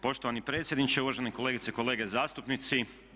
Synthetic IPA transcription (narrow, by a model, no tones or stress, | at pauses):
po̞ʃt̪o̞ʋanipɾet̪sʲjed̪nit͡ʃeuʋaʒenekole̞ːɡit̪seikoleːɡezaːst̪upnit̪si